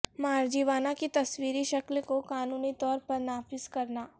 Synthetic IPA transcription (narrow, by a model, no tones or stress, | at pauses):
maːɾd͡ʒiːʋaːnakit̪ɐswiːɾiʃɐklkokaːnuːnit̪ɔːɾpɐɾnaːfɪzkɐɾnaː